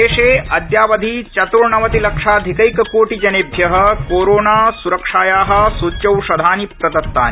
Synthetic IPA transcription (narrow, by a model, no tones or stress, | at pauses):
eːʂeːɐd̪jaːʋɐd̪ʱit͡ʃɐt̪ɾuɳɐʋɐt̪ilɐkʂaːd̪ʱikɐjkɐkoːʈid͡ʒɐneːbʱjɐɦɐkoːɾoːnaːsuɾɐkʂaːjaːɦɐ̆sut͡ʃɐwʃɐd̪ʱaːnipɾɐd̪ɐt̪ːa̰ːn